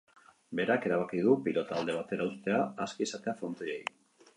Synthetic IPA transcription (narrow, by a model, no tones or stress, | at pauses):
be̞ɾake̞ɾaβ̞akið̞upilo̞t̪aːld̪e̞β̞at̪e̞ɾaust̪e̞aːskisat̪e̞afont̪ojeji